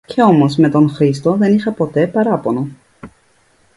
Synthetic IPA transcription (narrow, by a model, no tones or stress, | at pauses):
ce̞o̞mo̞zme̞t̪o̞ŋxɾist̪o̞ðe̞nixɐpo̞t̪e̞pɐɾɐpo̞no